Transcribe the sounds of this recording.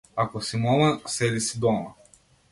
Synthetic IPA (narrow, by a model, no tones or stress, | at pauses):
akosimɔmɐsɛlisid̪ɔmɐ